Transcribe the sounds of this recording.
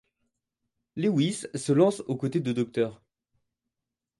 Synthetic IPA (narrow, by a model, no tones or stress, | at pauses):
lewisːəlɑ̃sokot̪ed̪əd̪ɔk̚t̪œːʁ